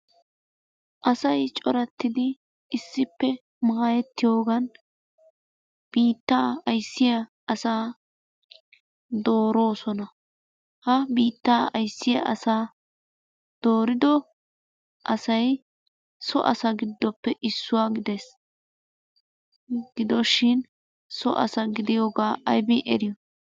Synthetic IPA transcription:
ʔɐsɐjt͡ʃʼɔɾɐt̪ːɪd̪ɪː | sːɪpːɛ | maːjɛt̪ːɪjo̞ːɡɐn | b̥iːt̪ːaːɐjsːɪjɐ | ɐsaː | d̪o̞ːɾo̞ːsɔnɐ | hɐbiːt̪ːaːɐjsːɪjɐ̰ʔɐsaː | d̪̥o̞ːɾɪd̪ɔ | ʔɐsɐj | sɔ̰ʔɐ̰sɐɡɪd̪ːɔpːɛʔɪsːʊwaːɡɪd̪es | ɡɪd̪ɔʃɪn | sɔʔɐ̰sɐɡɪd̪ɪjoːɡaːʔɐjbɪʔɛ̰ɾɪjɔ

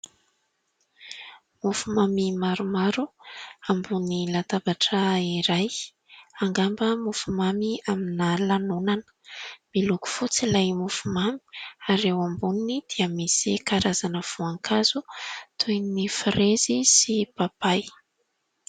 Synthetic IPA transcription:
mufumamimaɾumaɾuambunilat̪abaʈ͡ʂəiɾaj | aŋɡambəmufumamiaminalanunanə̥miluku̥fut͡silajmufumami̥aɾewambuninid̪̥iəmisikaɾazanəv̥uaŋkʰazut̪ʰujnnifirezisipapaj

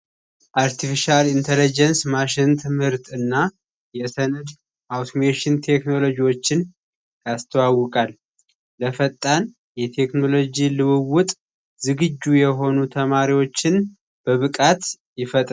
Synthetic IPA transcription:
ʔaɾt̪ʰifiʃalint̪ʰelid͡ʒɛnsmaʃɪnt̪ʰɨmhɨɾt̪ʰɨnːa | jɛsənɨd̪ | ʔawt̪ʰomeʃɪnt̪ʰe̞kno̞lo̞d͡ʒiwo̞t͡ʃːɪn | jast̪ʰəwawːɔkʼal | ləfət̪ʼːan | jɛt̪ʰe̞kno̞lo̞d͡ʒilɨwɨwʊt̪ʼ | zɨɡɨd͡ʒːujɛɦo̞nut̪ʰəmaɾiwo̞t͡ʃːɪn | b̥əβɨkʼat̪ | jɪfət̪ʼ

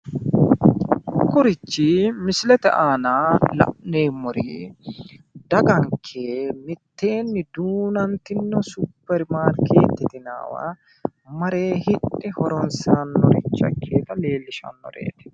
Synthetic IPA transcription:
kʊɾɪt͡ʃːimɪslɛt̪ɛ̰ʔaːnaːlɐ̰ʔneːmːɔɾḭ | d̪ɐɡɐŋkʰeːmɪt̪ːe̞ːnːɪd̪uːnɐnt̪ɪnːɔsʊpːɛɾmaːɾkʰḛːt̪ːɪt̪ɪna̰ːwa̰ | mɐɾe̞ːhɪᶑɪhɔɾɔnsaːnːɔɾɪt͡ʃːɐ̰kʰːeːt̪ɐle̞ːlːɪʃɐ̰nːɔ̰ɾḛːt̪ɛ̥

